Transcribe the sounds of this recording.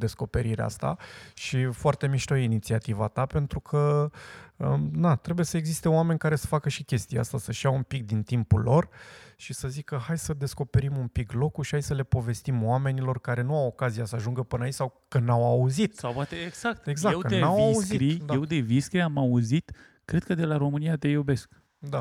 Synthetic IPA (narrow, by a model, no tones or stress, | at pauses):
d̪e̞sko̞pe̞ɾiɾea̰st̪a̰ʃifoart̪e̞miʃt̪ojinit̪siat̪iva̰t̪ape̞nt̪ɾukʰə | əd̪at̪ɾebuje̞səeɡzist̪e̞owame̞nʲkaɾe̞sə̥fakəʃikʲe̞st̪ijea̰st̪asəʃijaumpik̚d̪int̪impulo̞rʃisəzikəɦajsəd̪e̞sko̞pe̞ɾimumpiklo̞kuʃi̥hajsəle̞po̞ve̞st̪imowame̞nilo̞rkaɾe̞nuawo̞kazijasəaʒuŋɡəpɨnait͡ʃʲsawkənawauzit̪sawpwat̪eeɡz̥ak̚t̪eɡzakewkənawauzkiɾid̪aewd̪eviskɾiamauzit̪ | kːɾe̞d̪̥̚kəd̪e̞laɾo̞mɨnijat̪e̞jobe̞sk | d̪a